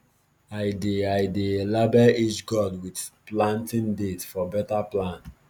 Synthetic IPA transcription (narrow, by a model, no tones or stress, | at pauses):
aɪdeajdeelabɛit͡ʃɡɔdwidplãntĩndetfɔbɛtaplãnt